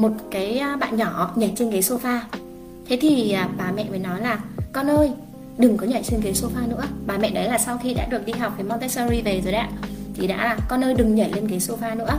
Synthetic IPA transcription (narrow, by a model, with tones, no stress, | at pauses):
mo˨˩t̚kaː˨˦jɓa̰ː˧˨nɲɔ˧˩ɲə˧˩t͡ɕe˧nkaː˨˦jso˧faː˧ | t̪ʰe˨˦t̪ʰi˨˩əː˨˩ɓaː˨˩mɛ̰˧˨mə˨˦jnɔ˨˦jlaː˨˩kɔ˧nʔəː˧j | ɗɨ˨˩ŋkɔ˨˦ɲa˧˩t͡ɕe˧nk̬aː˨˦jso˧faː˧nɨ̰˧˥əɓaː˨˩mɛ̰˧˨ɗə˨˦jlaː˨˩sa˧wxi˧ɗa̰ː˧˥ɗɨ˨˩ək̚ɗi˧ɦa˨˩k͡p̚kːaː˨˦jm˧nt̪e˦˥sə˧zi˧ve˨˩zo˨˩jɗa̰ː˧˥t̪ʰḭ˧˩ɗa̰ː˧˥aː˨˩kɔ˧nʔəː˧jɗɨ˨˩ŋɲə˧˩le˧nkaː˨˦jso˧faː˧nɨ̰˧˥ə